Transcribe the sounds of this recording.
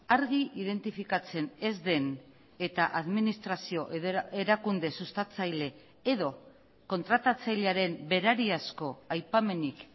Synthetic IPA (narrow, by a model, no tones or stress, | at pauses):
aɾɣiʔið̞e̞nt̪ifikat͡se̞ne̞zd̪e̞n | e̞t̪aʔaðminist̪ɾasio̞ʔee̞ɾakund̪e̞sust̪at͡sajle̞ː | ðo̞ | ko̞nt̪ɾat̪at͡sajleaɾe̞mbe̞ɾaɾiasko̞ajpame̞nik